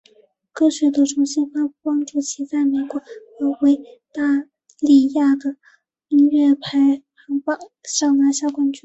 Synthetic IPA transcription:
kɤ˥˩ɕɥɛ˧˥t̪u˥˧˩ʈ͡ʂʰʊ˧˥ŋɕɛ˥˩nfa˥pu˥˩pɑ˥ŋʈ͡ʂu˥˩t͡ɕʰi˧˥t͡sa˥˩ɪme˨˩ɪkwɔ˧˥˦ə˧˥we˧˥ɪt̪a˥˩ | li˥˩ja˥˩d̪ə˩ | i˥nɥɛ˥˩pʰa˧˥ɪxɑ˧˥ŋpɑ˨˥˩ʂɑ˥˩ŋna˥ɕja˥˧ʊkwa˥nt͡ɕy˥˩

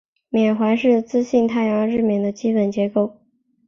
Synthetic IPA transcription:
mjɛ˨˩nxwa˧˥nʂɻ̩˥˩t͡sɹ̩˥ɕi˥˧nt̪ʰa˥˩ɪjɑ˧˥ɻ̩˥˩mjɛ˨˩nd̪ə˦t͡ɕi˥pə˨˩nt͡ɕjɛ˧˥ko˥˩ʊ

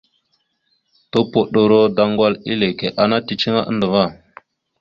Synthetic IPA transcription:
to˦po˨ɗo˨ɾo˦da˨ŋɡwa˦lḭ˦le˨ke˨ʔa˨na˦ti˨t͡ʃi˦ŋa˦ʔə̰˦ndə˨va˦˨

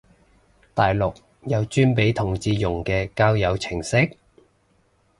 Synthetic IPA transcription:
t̪aː˨jlʊ˨k̚ | jɐ˨˧wt͡ʃyː˥npe˨˥jt̪ʰʊ˨˩ŋt͡siː˨˧jʊ˨˩ŋkɛː˧kaː˥wjɐ˨˧wt͡sʰɪ˨˩ŋsɪ˥k̚

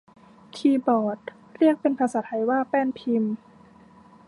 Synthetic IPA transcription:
t̪ʰiː˧bɔː˨˩t̪̚ | ɾi˥˩ək̚pe˧npʰa˧saː˨˦t̪ʰa˧˩jwaː˥˩pɛː˥˩˨npʰi˧m

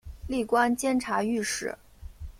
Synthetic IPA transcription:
li˥˩kwa˥nt͡ɕjɛ˥nʈ͡ʂʰa˧˥y˥˧ʂɻ̩˥˩

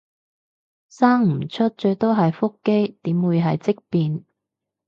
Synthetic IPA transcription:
saː˥ŋm̩˨˩t͡ʃʰɵ˥t̚t͡ʃɵ˧ɥt̪o˥wɦɐ˨jfʊ˥kːe˥jt̪iː˨˥mwuː˨˧jɦɐ˨jt͡sɪ˥k̚piː˨˧n

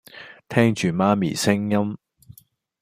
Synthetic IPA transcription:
t̪ʰɛː˥ŋt͡ʃyː˨maː˧mḭː˨˩sɪ˥ŋjɐ˥m

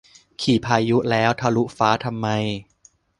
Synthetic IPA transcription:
kʰiː˨˩pʰaː˧ju˦˥lɛː˦˥wt̪ʰa˧lu˦˥faː˦˥t̪ʰa˧mːa˧j

